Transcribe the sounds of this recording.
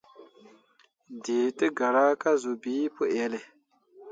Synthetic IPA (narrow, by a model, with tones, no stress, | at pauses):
de˨tɨ˦ɡa˨ɾa˦ka˦zu˨bi˨˦pu˦ʔɛ˨˦le˨